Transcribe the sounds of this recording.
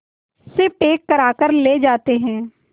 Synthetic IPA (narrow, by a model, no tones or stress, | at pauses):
sɪfʈeːkːəɾaːkəɾleːd͡ʒaːt̪eɦɛ̃ː